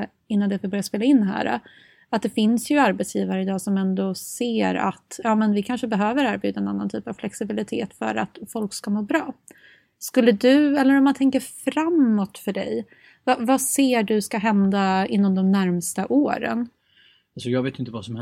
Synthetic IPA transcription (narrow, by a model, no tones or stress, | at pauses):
ɪnːand̪ɛvbœɾjaspeːlaɪnːɦæ̰ːɾa̰ | at̪̚d̪ɛfɪnsjɵaɾbɛt̪sjiːvaɾəɪd̪ɑːsɔmɛnd̪ɔseːɾa̰t̪jɑːmɛnvɪkʰanʂəbɛɦøːvəɾæɾbjʉːd̪aɛnanːant̪ʰy̰ːpav̥flɛksɪbɪlɪt̪ʰḛːt̪fœ̰ɾa̰t̪fɔlkskamoːbɾɑː | skɵlːəd̪ɵɛlːəɾɔmːant̪ʰɛŋkəɾfɾamːɔt̪fœɖɛ̰j | vavaseːɖɵskaɦɛnd̪aɪn̪ːɔmd̪ɔmnæɾmst̪aʔoːɾə̰n | asɔjɑːɡveːt̪ɪnt̪əvasɔm